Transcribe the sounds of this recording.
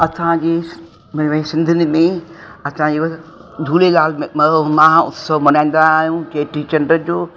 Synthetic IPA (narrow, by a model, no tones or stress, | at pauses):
ɐsãd͡ʑeː | mɐʋẽsɪ̃nd̪ʱɪnɪmẽɐsãd͡ʑeː | d͡ʒʱuːlelaːlmmmãʊ̰t̪ʰsomɐnãːĩnd̪aːɦijũkeːʈɾit͡ɕɐɳɖɾəd͡ʑoː